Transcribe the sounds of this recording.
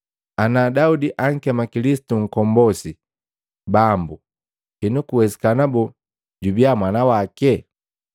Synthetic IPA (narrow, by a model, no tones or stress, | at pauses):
anaːdaudiʔaŋ̩kɛmakilisi̥tuŋ̩kɔmbɔsi | bambu | hinukuwɛsi̥kanabɔ | ɟubiamwanawakɛ